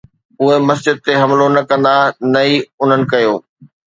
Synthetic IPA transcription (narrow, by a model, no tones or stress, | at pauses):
ʊɦemɐsd͡ʑɪd̪̚t̪eɦɐmlonɐkɐ̃nd̪anɐiʊn̤ənɪ̆kɐjoː